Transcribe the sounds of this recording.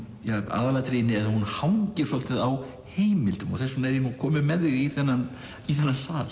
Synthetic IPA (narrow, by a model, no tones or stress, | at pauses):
jaɣa̰ːðalaɣat̪ɾeːjnɪɛðhunhawɲcɪɾ̥sɔlt̪ɪðaw | heːjmɪlt̪ʏmɔ̰ɣθɛsːɔnɛɾinukʰɔːmɪmɛðɪɣiθɛnːan | iθɛnːasaːl